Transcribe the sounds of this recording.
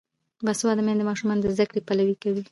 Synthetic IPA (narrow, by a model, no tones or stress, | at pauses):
baswɑd̪əmjand̪əmɑʃumɑnd̪əzd̪akɽipalawikawi